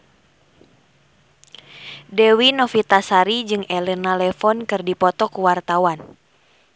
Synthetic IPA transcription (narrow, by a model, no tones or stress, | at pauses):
dɛwinɔfit̪asaɾid͡ʒɨŋɛlɛnalɛfɔnkɨrdipɔt̪ɔkuwart̪awan